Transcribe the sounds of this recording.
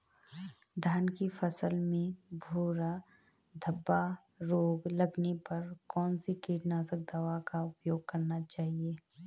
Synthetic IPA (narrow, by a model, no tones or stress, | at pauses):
d̪ʱaːnkifʰɐsəlmẽbʱoːɾa | d̪ʱɐbːa | ɾoːɡlɐɡnepɐɾkɔːnsikiːʈnaːzək̚d̪aʋakaʊpjoːɡ̚kɐɾnat͡ʃaːɦieː